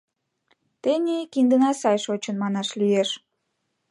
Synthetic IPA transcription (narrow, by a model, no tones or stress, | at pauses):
t̪enʲikind̪ənɑsɑjʃot͡ɕənmɑnɑʃlieʃ